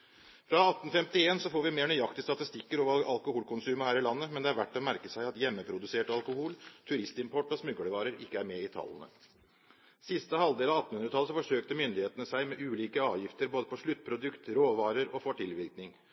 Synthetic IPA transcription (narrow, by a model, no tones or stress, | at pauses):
fɾɑɑt̪ːn̩fɛmt̪ɪeːnsɔfoːɾʋɪmeːɳyjɑkt̪ɪst̪ɑt̪ɪst̪ɪkːəɾɔʋɑ̰lkʊhuːlkʰʊnsʉːməhæːɾɪlɑnːəmɛnd̪ɛæɾʋæʈːɔmæɾkəsæɪɑt̪jɛmːəpʰɾʊd̪ʉseːʈɑlkʊhuːlt̪ʰʉɾɪst̪ɪmpʰɔʈːɔsmʉɡələʋɑːɾəɾɪ̰kːəæɾmɛɪt̪ʰɑ̰lːənə̰ | sɪst̪əhɑld̪eːlɑɑt̪ːn̩hʉnɾət̪ʰɑləsɔfɔʂøːkt̪əmʏnd̪ɪheːt̪ənəsæɪmɛʔʉːliːkəɑːʋjɪft̪əɾboːd̪əpʰɔʂɭʉt̪̚ːpʰɾʊd̪ʉkt̪ɾoːʋɑːɾəɾɔfɔʈʰɪlʋɪɾknɪŋ